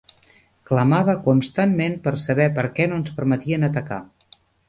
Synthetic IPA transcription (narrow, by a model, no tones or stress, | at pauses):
kləmaβəkunst̪anmenpəɾsəβɛpəɾkɛnoənspəɾmət̪iənət̪əka̰